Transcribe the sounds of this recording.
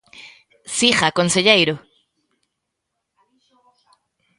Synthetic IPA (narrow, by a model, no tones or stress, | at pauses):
sixakonseʎejɾo